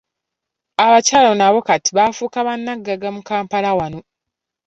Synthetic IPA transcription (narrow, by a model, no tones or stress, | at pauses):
aβacaːlonaβo̞katiβafuːkaβanːaɡːaɡamukaːmpalawano̞